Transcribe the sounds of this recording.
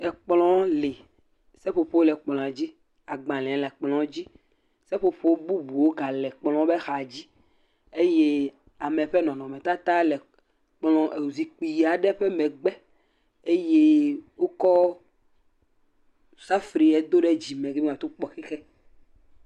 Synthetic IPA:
ɛ˨k͡plɔ̃˦le˨ | sɛ˦ɸo˨ɸo˦lɛ˨k͡plɔ̃˨a˨d͡ʑi˦ | a˨ɡ͡bã˨lɛ̃˨˦lɛ˨k͡plɔ̃˨˦d͡ʑi˦ | sɛ˦ɸo˨ɸo˦wo˦bu˦bu˨wo˦ɡa˨lɛ˨k͡plɔ̃˦bɛ˦xa˨d͡ʑi˦ | e˦je˦ | a˨mɛ˨ɸɛ˦nɔ̃˨nɔ̃˨mɛ̃˨t̪a˦t̪a˦lɛ˨ | k͡plɔ̃˨ʔe˨wu˨zi˨k͡pi˨ja˨ɖɛ˦ɸɛ˦mɛ̃˨ɡ͡bɛ˦ | e˦je˦wo˦kɔ˦ | sa˦fɾi˨ɛ˨d̪o˦ɖɛ˦d͡ʑi˨mɛ̃˨ɡe˦i˦˨ã˨t̪o˦k͡pɔ˨xɛ˦xɛ˦

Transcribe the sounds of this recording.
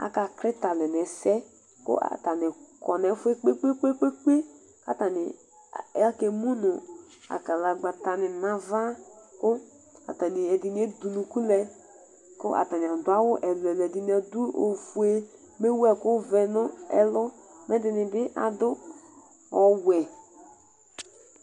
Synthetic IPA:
a̰˨ka˨kɾɪ˦ta˨lɛ˨n˨ɛ˨sɛ˦ | kʊ̰˦ʔa̰˨ta˨nɪ˨kɔ˨nɛ˨˦fe˦k͡pe˦k͡pe˦k͡pe˦k͡pe˦k͡pe˦ | ka˨ta˨nɪ˨ | a˦ke˨mu˦nʊ˨ | a̰˨ka˨la˨ɡ͡ba˨ta˨nɪ˨na˨va˦kʊ˦ | a̰˨ta˨nɪ˨ɛ˨dɪ˨n˦e˦du˨nu˨ku˦lɛ˦ | kʊ̰˦ʔa̰˨ta˨n˨a˨dʊ˦a˦wʊ˦ʔɛ˨lɛ˨lɛ˨dɪ˨ni˦a˨du˦o̰˨fu˨e˦ | me˦wɛ˦kʊ˦vɛ˨nʊ˦ɛ̰˨lʊ˦mɛ˦dɪ˨nɪ˨bɪ˦ʔa̰˨dʊ˦ | ɔ˨wɛ˨

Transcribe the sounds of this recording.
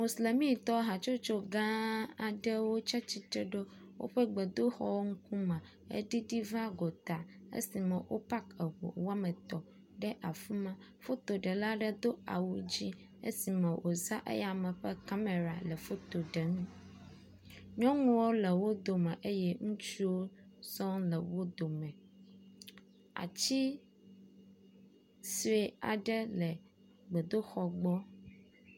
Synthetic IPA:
mo˨sle˨mĩ˦t̪ɔ˦ɦa˨t͡ʃo˦t͡ʃo˦ɡã˦a˨ɖə˦wo˦t͡ʃa˦t͡ɕi˦t̪e˦ɖo˦wʔo̰˦ɸə˦ɡ͡bə˨d̪o˦xɔ̰˦wo˦ŋ̩˦ku˦mã˨ | ḛ˦ɖi˦ɖi˦va˦ɡo˨t̪a˨ḛ˦si˨mə̃˨wʔo̰˦pa˦kə˨wo̰˨wa˦mə˨t̪ɔ˨ | ɖɛ˦ʔa˨fu˦mã˦ | fo˦t̪o˨ɖə˨la˦ɖə˦d̪o˦a̰˨wu˦d͡ʑi˦ | ḛ˦si˨mɛ̃˨wʔo˨za˦ʔḛ˦ja˨mɛ̃˨ɸɛ˦ka˦me˨ɾa˨lɛ˨fo˦t̪o˨ɖɛ˨ŋũ˦ | ɲɔ̃˦ŋũ˦wo˦lɛ˨wo˦d̪o˨mɛ̃˨ʔe˦jɛ˦ŋũ˦t͡ʃi˦wo˦sɔ̃˦lɛ˨wo˦d̪o˨mɛ̃˨ | a̰˨t͡ɕi˦ | si˦e˨a̰˨ɖɛ˦lɛ˨ | ɡ͡be˨d̪o˦xɔ˨ɡ͡bɔ˦

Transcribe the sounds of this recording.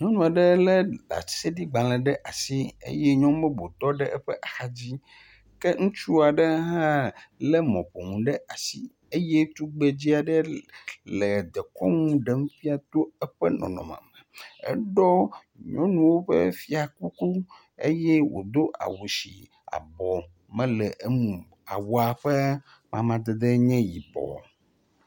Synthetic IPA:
ɲɔ̃˦nɔ̃˨a˨ɖɛ˦lɛ˦la̰̥˨˦se˦ɖi˦ɡ͡bã˨lɛ˨ɖɛ˦ʔa˨si˦ḛ˦jɛ˦ɲɔ̃˦bɛ˦bo˨t̪ɔ˦ɖɛ˦ʔɛ˦ɸɛ˦ʔa˨xa˦d͡ʑi˦ | kɛ˦ŋũ˦t͡ʃu˦a˨ɖɛ˦ɦã˦lɛ˦mɔ̰̃˨ɸo˨ŋũ˨ɖɛ˦ʔa˨si˦ | e˦je˦t̪u˦ɡ͡be˨d͡ʑi˦a˨ɖɛ˦lɛ˨d̪ɛ˨kɔ̰˦ŋũ˦ɖɛ˦ŋ˦fi˦a˨t̪o˦ɛ˦ɸɛ̰˦nɔ̰̃˨nɔ̰̃˨mã̰˨mɛ˨ɛ̰˦ɖɔ˦ | ɲɔ̃˦nũ˨wo˦ɸɛ̰˦fi˦a˨ku˦ku˦ | e˦jɛ˦wo̰˨d̪o˦ʔa̰˨wo˨si˨ | a̰˨bɔ˨ | mɛ̃˦lɛ˨ʔe˦mũ˨ | a̰˨wo˦a˨ɸɛ˦ | mã̰˨mã˨d̪e˨d̪e˦ɲɛ̃˦ji˨bɔ̰˨

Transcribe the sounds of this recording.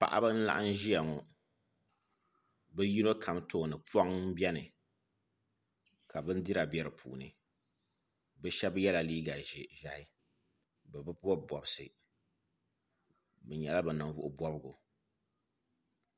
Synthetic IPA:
pa̰˨ʔa̰˦bɨ˦n̩˦la̰˦ʔa˦n˦ʒi˦ja˨ŋɔ˨ | bɨ˦ji˦no˦kʰa˨mto˦˨nɨ˨pa˦ŋ˦bɛ˦nɨ˨ | ka˨bɨ˦n˦di˦ɾa˨bɛ˦ɾɨ˨pʰṵː˨nɨ̰˨ | bɨ˦ʃɛ˦bjɛ˦la˨liː˦ɡa˨ʒɛ˨ʒa˨hɪ˦ | bɨ˨bɨ˦pu˦ɔ˦bɔ˨bɨ˨sɨ˨ | bɨ˨ɲɛ˨la˦bɨ˨nɨ˨vʊ˦ʔʊ̰˨bɔ˦bɨ˦ɡʊ̰˨

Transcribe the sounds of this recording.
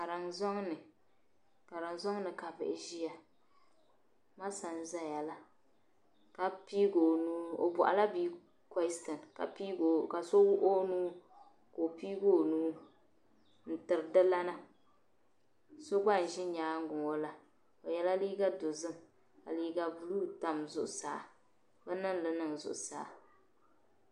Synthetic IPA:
ka˨ɾɪ˨ŋzɔ˦ŋnɨ˨ | ka˨ɾɨ˨ŋzɔ˦ŋnɨ˨ka˨bɪ˨ʔɪ˨ʒi˦ja˨ | ma˦sa˨n˦za˦jɛ˨la˦ | ka˨pi˦ɡo˨nuː˦o̰˨bʊ˨ʔa̰˨la˦biː˦ | ka˦stɨ˨nka̰˨pi˦ɡo˨ka˨so˦wʊ˦ʔo˦nuː˦ | ko˨piː˦ɡo˦˨nuː˦ | n̩˨tɨ˨ɾɨ˨dɨ˦la˦na˦ | so˦ɡ͡ba˦n˨ʒɪ˦ɲaː˨˦ŋ˦ɡʊ˨ŋo˦la˨ | o˨jɛ˦la˦liː˦ɡa˦do˨zɨ˦ŋ | ka̰˨liː˦ɡa˨bu˦luː˦ta˨mzʊ˦ʔsa̰ː˨ | bɨ˦nɨ˦n˦lɨ˨nɨ˨ŋzʊ̰˨ʔsa̰ː˨

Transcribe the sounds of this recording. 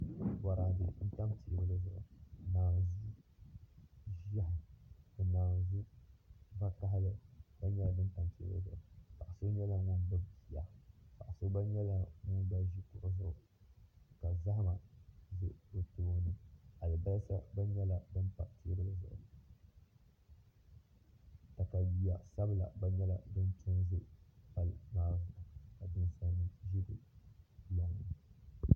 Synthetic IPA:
ba˨ɾa˨dɨ˨n̩˦ta˦mti˨˦bɨ˦lɨ˦zʊ˨ʊ˨naː˨zi˦ | ʒi˦a˦ɦɨ˨dɨ˨naː˨zu˦ | va˦ka˦ɦɪ˦lɨ˦ba˦ɲɛ˦la˨bɨ˦nta˦mti˦blɨ̰˦zʊ̰˨ʊ˨pa˨ʔa˨so˦ɲɛ˦la˦na˦n˦bɨ˦pi˨a˨pa˨ʔa˨so˦ba˦ɲɛ˦la˦nu˦n˦da˦ʒi˦tʊ˨ʔʊ˦zʊ˦ʔʊ˨ | ka˨za˦hma˨zɨ˦ʔdɨ˨toː˦nɨ˦a˨lɨ˨ba˦lsa˦ba˦ɲɛ˦la˦bɨ˦m˦pa˨ti˦bɨ˦lɨ˦zɨ̰˨ʔl | ta˨ka˨ji˨a˨sa˦bɨ˨la̰˨ba˦ɲɛ˦la˦dɨ˦n˦tʰʊ˦nzɨ˦ʔpa˦˨lmaː˦˨zʊ˨ʔʊ˨ka˨dɨ˦n˦sa˦nɨ˦ʒi˦ɾɨ˨˦ | ja˨ŋ˨ɨ˨

